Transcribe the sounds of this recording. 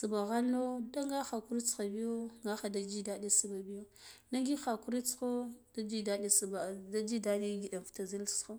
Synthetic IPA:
su˨ba˨ɣa˦lno˦da˦ŋɡa˦xa˨ku˦ɾi˦t͡sxa˨bi˦jo˦ŋɡa˦xa˨da˨d͡ʒi˦da˨ɗi˦su˨ba˨bi˦jo˦ | na˦ŋɡi˦xa˨ku˦ɾi˦t͡sxo˦d̥a˦d͡ʒi˦da˨ɗi˦sba˨da˦d͡ʒi˦da˦ɗi˦ɡi˨da˨fta˨zi˦lsxo˦

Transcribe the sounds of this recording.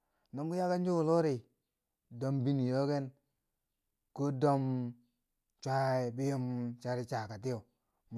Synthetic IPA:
no˦m˦ɡu˦ja˦ka˦nd͡ʒu˦˨lo˦ɾi˨ | do˦mbi˦ni˨jo˦ɡe˦n | ko˦do˦m | t͡ʃʷa˦e˨bi˦jo˦mt͡ʃa˦ɾi˦t͡ʃa˨ka˨t̬i˦jo˨ | m˨

